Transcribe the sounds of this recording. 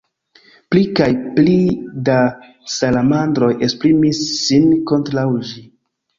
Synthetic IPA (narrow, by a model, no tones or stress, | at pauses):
plikajplida | salamandɾo̞je̞spɾimisːinko̞ntɾawʒi